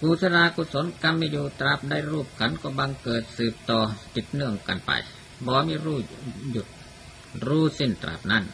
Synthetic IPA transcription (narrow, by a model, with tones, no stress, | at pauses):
kuː˧˩sa˧ɾaː˧kuː˧so˨˦nka˧mːiː˧˨juː˧˩t̪ɾa˧˩p̚da˧˥˨jɾuː˥˩p̚kʰa˦˥nkɔː˧˩ba˧ŋkɤː˨˩t̪̚sɯː˨˩p̚t̪ɔː˧t̪i˨˩t̪̚nɯ˧˩əŋka̰˨npa̰˧j | bɔː˧˦miː˧˥˨ɾuː˧˩ju˨˧˩t̪̚ | ɾuː˧˥˩si˧˩nt̪ɾa̰˧˩p̚na˧˥˩n